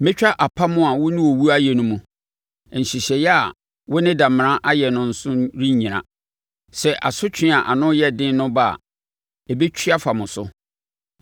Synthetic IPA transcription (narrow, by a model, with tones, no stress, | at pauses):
mɪ̃˦t͡ɕᶣa˦ʔa˨pʰa˦mʊ̃˦a˨wʊ˦nɪ̃˦wo˨wu˦a˦jɛ˨nʊ̃˦mũ˨ | ɲ̩˨ɕi˨ɕɛ˨jɛ˦a˨ | wʊ˦nɪ̃˦dã˨m˨ɾã˦ʔa˦jɛ˨nʊ̃˦n̩˦sʊ̃˦ɾi˦ɲĩ˨ɾã̰˨ | sɛ˨ʔa̰˨sʊ˦t͡ɕʰᶣɪ̃˦a˨ʔa˨nʊ̃˦jɛ˦dɪ̃˦nʊ̃˦ba˦˨a̰˨ | ɛ˨be˦t͡ɕʰi˦a˦fa˨mʊ̃˨sʊ̰˦